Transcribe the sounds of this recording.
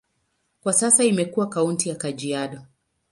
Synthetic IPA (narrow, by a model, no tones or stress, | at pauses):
kwasasaimɛkuakauntijakad͡ʒiaɗɔ